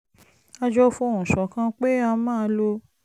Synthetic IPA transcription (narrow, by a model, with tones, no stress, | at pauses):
a˧d͡ʒɔ˦fũ˦ũ˨sɔ˨kã˦k͡pe˦a˧mãː˦˨˧lo˧